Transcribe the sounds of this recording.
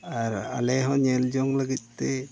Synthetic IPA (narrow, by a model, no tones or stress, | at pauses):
aɾa̰lɛɦɔ̃ɲɛld͡ʒɔŋləɡit̪̚ˀt̪ɛ